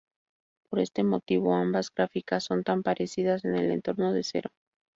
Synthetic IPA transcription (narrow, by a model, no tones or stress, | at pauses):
po̞ɾe̞st̪e̞mo̞t̪iβ̞o̞ambazɣɾafikasːo̞nt̪ampaɾʔe̞siðase̞ne̞̰le̞̰nt̪o̞ɾno̞ðe̞se̞̰ɾo̞